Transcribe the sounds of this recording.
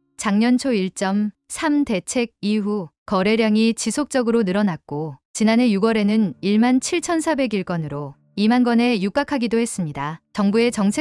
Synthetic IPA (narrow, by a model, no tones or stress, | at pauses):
t͡ɕaŋɲʌnt͡ɕʰoiɭt͡ɕ͈ʌmsʰamde̞t͡ɕʰe̞ɡ̚iɦukʌɾe̞ɾjaŋit͡ɕisʰok̚t͡ɕ͈ʌɡɯɾonɯɾʌnak̚k͈ot͡ɕinane̞juɡwʌɾe̞nɯniɭmant͡ɕʰiɭt͡ɕʰʌnsʰabe̞ɡiɭk͈ʌnɯɾo | imanɡʌne̞juk͈akʰaɡidohe̞s͈ɯmɲidat͡ɕʌŋbue̞t͡ɕʌŋt͡ɕʰe